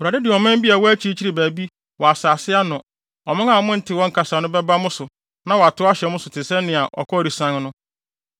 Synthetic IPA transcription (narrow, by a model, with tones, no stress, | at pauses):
wa˨dɪ˦dɪ˨ɔ˨mɪ̃˦m˦bi˦a˨wɔ˦æ˦t͡ɕʰi˦t͡ɕʰi˦ɾi˨bæː˨bi˦ | wɔ˨a˨saː˨sɪ˦a˦nʊ̃˨ | ɔ˨mɪ̃˦ŋa˨mʊ̃˦n̩˦tʰɪ˨wɔ̃˦ŋ̩˦kʰa˨sa˨nʊ̃˦bɛ˦ba˦mʊ̃˦sʊ˨ | nã˦wa˨tʰʊ˦a˦ɕɛ˨mʊ̃˦sʊ˨tʰɪ˨sɛ̃˦nɪ̃˨a˨ʔɔ̰˨kʰɔ˦ɾi˨sã˦ŋnʊ̃˦